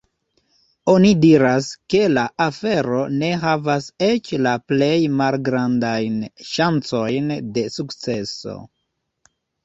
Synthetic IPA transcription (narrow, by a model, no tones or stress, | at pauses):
onidiɾaske̞laʔafe̞ɾo̞ne̞ɦavase̞t͡ʃlaple̞jmalɡɾandajnʃant͡so̞jnde̞sukt͡se̞so̞̰